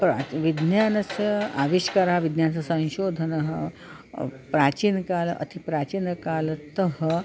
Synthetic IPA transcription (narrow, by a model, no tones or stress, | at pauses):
pɾaʋid̪njaːnɐsjəa̰ʋiɕkaɾaʋid̪njant͡sɐsɐ̃ɕoːd̪ʱənɐɦə | pɾat͡ɕiːnkaːlʔɐ̰t̪ʰipɾat͡ɕiːnkaːlt̪əɦə